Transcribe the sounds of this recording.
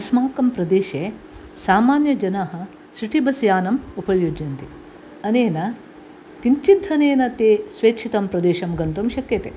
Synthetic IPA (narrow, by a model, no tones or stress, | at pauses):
ɐsmaːkɐmpɾɐd̪eːʃe | saːmaːnjɐd͡ʒɐnaɦɐ̆ | ʃɾiʈibɐsjaːnɐmupɐjud͡ʒɐnt̪i | ɐneːnɐ | kiɲt͡ʃit̪ʰːɐneːnɐt̪eːsʋeːkt͡ʃʰit̪ɐmpɾɐd̪eːʃɐmɡɐnt̪umʃɐkjɐt̪e